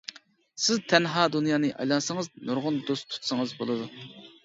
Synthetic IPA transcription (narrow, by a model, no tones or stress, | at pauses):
sɪzt̪ʰɛnɦɑːd̪unjɑːnɨʔɑ̰jlˠɑnsəŋəznoɾʁʊnd̪ost̪ʰu̥t̪səŋəzbolˠɨd̪u